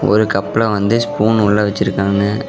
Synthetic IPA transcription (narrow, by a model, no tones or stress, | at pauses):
ɔ̰ɾɯkɐpːlɐʋɐnd̪ɯspuːnʊɭːɐʋɛt͡ʃːɪɾɯkːaːŋɡɐ